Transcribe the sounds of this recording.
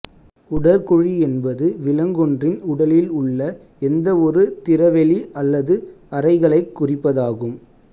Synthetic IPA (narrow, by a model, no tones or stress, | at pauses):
ʊɽɐɾkɔɻiɛnbɐðɯʋɪlɐŋɡɔndrɪnʊɽɐlɪlʊɭːɐ | ɛnd̪ɐɔɾɯt̪ɪrɐʋɛliʔɐlːɐðɯɐrɐɪɣɐɭɐɪkːʊrɪpːɐðaːɣɯm